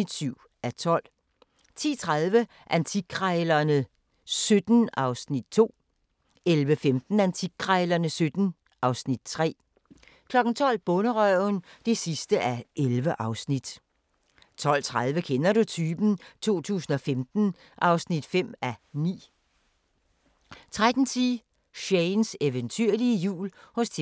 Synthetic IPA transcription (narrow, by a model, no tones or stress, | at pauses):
id̥syʊ̰ | æt͡sʰɒ̽l̰ | t͡sʰḭːt͡sʰʁaðˠʋə | ʔænt͡sʰiɡʰʁɑɪlɐnə | sød̥n̩ɑ̈ʊsnid̥̚t͡sʰo̝̰ː | elʋəfemd̥n̩ænt͡sʰiɡ̥̚ʰʁɑɪlɐnəsød̥n̩ | ʔɑ̈ʊsnid̥t͡sʰʁɛ̰ː | kʰlɒ̽ɡ̥n̩t͡sʰɒ̽l̰b̥ɔ̽nəʁœʊnd̥e̝sisd̥əʔæelʋəʔɑ̈ʊsnid̥ | t͡sʰɒ̽l̰t͡sʰʁaðˠʋəkʰenɐɾut͡sʰyːb̥n̩t͡sʰo̝̰ːt͡sʰṵːsn̩ɒ̽femd̥n̩ | ʔɑ̈ʊsnid̥fem̰ænḭː | t͡sʰʁad̥n̩t͡sʰiː | ɕeɪnseʋənt͡sʰyɐliəjṵːlhɔ̽st͡sʰ